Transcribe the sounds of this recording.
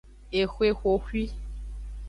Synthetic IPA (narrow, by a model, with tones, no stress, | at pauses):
e˨xwe˦xʷo˨xi˦